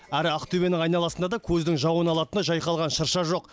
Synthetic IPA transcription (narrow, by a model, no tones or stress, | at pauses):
æɾɪɑqt̪ʰybe̞nɪŋɑjnɑlˠɑsənd̪ɑd̪ɑkʲʰɵzd̪ɪŋʒɑwənɑlˠɑt̪ənɑʒɑjqɑlˠʁɑnʃəɾʃɑʒo̞q